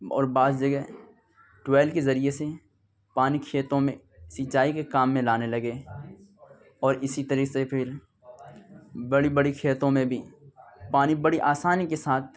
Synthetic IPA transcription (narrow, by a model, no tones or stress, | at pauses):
ɔ̰ːɾbaːd̪d͡ʒɐɡɛɦ | ʈwɛːlkezɐɾijese | paːnikʰeːt̪õmẽ | sɪt͡ʃaːikekaːmːẽlaːnelɐɡe | ɔːɾɪsit̪əɾiːsepʰɪɾ | bɐɽibɐɽikʰeːt̪õmẽbʱipaːnibɐɽiʔaːsaːnikesaːt̪̚ʰ